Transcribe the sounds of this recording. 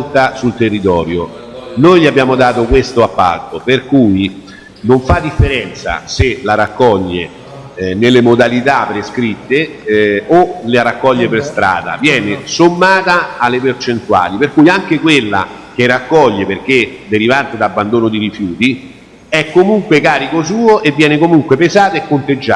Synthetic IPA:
lt̪asult̪erːit̪ɔːɾjo | nojlʎiabːjaːmod̪aːt̪okwest̪oapːa̰lt̪operkuːji | noɱfad̪ːifːeɾɛnt̪sa̰selaɾakːɔʎːe | nelːemod̪alit̪apːɾeskɾit̪ːe | oleaɾakːɔʎːeperst̪ɾa̰ːd̪a̰vjɛːnesomːaːt̪aːlːepert͡ʃent̪ua̰ːliperkuːjaŋk̟ekwelːa̰ | k̟erːakːɔʎːeperk̟ed̪eɾivant̪ed̪abːand̪oːnod̪iɾifjuːt̪i | ɛkːomuŋkwekaːɾikos̬uːoʔevːjɛːnekomuŋkwepezaːt̪oekːont̪ed͡ʒːa

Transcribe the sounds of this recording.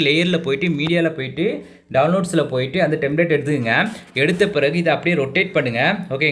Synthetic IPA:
lɛjɐɾɪlɐpoːjɪʈːɯmiːɽɪjaːlɐpoːjɪʈːɯ | ɖɐʋʊnloːɖsɪlɐpoːjɪʈːɯɐnd̪ɐʈɛmbɪleːʈɛɽɯt̪ːɯkɯŋɡɐɛɽɯt̪ːɐpɪɾɐɣɯɪðɐɐpːɐɽɪjeɾɔʈːeːʈ̚pɐɳːɯŋɡɐoːkeː

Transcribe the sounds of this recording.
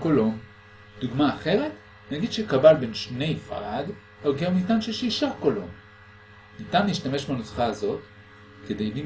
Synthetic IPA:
kolom | d̪̥uɡmaːχe̞ʁe̞t | naɡid̥̪ʃekabalbe̞nʃne̞jfa̰ʁad | oɡeʁmitanʃeʃiʃakolo̞m | nitanliːʃtame̞ʃbanosχaːzo̞t | ked̪e̞jli

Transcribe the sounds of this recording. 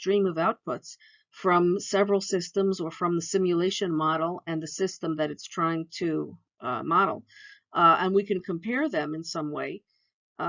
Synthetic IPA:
tɹ̥ĩmʌvaʊt̚pʰʊts | fɹʌ̃msɛvɹl̩ˠsɪstə̃mzə˞fɹʌ̃mðəsɪ̃mjɨleɪʃɨ̃nmɑɾl̩ˠɨ̃nðɨsɪstə̃mðɨɾɨtstʰɹ̥aɪɪ̃ŋtʰɨ | mɑɾl̩ˠ | ə̃nwikɨ̃nkʰə̃mpʰɛɹðɨ̃mɨ̃nsʌ̃mweɪ

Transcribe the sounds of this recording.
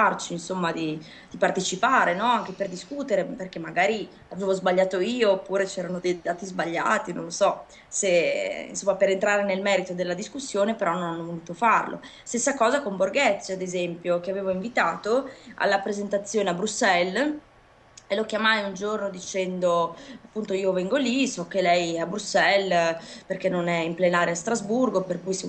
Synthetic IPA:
art͡ʃinsomːad̪i | d̪̥ipart̪et͡ʃipaːɾenɔaŋk̟eperd̪iskut̪eɾeperk̟emːaɡaːɾi | aveːvozbaʎːaːt̪oiːoːpːuːɾet͡ʃɛːɾanod̪ejd̪aːt̪izbaʎːa̰ːt̪ino̰nlosɔ | seḭnsomːapeɾent̪ɾaːɾenelmɛːɾit̪od̪elːad̪iskusːjoːnepeɾɔnːonanːovonuːt̪ofarlo̰ | st̪esːakɔːzakomborɡɛt̪sːoad̪ezɛmpjokeaveːvoiɱvit̪aːt̪oa̰lːapɾezent̪at̪sːjoːneabɾusːɛl | elok̟jamajund͡ʒornod̪it͡ʃɛnd̪oapːunt̪oiːovɛŋɡolisɔkːelɛjabɾusːɛlperk̟enːonɛimplenaːɾjast̪ɾazburɡoperkujs

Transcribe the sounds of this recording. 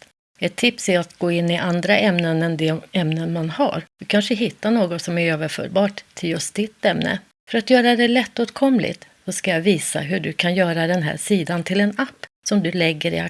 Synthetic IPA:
ɛt̪ʰːɪpsæɾat̪ɡoːɪnːɪʔand̪ɾaʔɛmnənɛnd̪ɛɛmnənmanha̰ɾd̪̥ɵkʰanʂəɦɪt̪ːanoːɡɔt̪sɔmæɾøːvəɾfœ̰ːɾbɑːʈ̪ʰːɪljɵst̪̚d̪ɪt̪ːɛmnə̰ | fœɾat̪jœːɾad̪ɛlɛt̪ːoːt̪kʰɔmlɪ̰t̪ | sɔskajaviːsa̰ɦɵɖɵkʰanjœːɾad̪ɛnɦæ̰ːʂiːd̪ant̪ʰɪlɛnapː | sɔmd̪ɵlɛɡːəɾɪ̰a

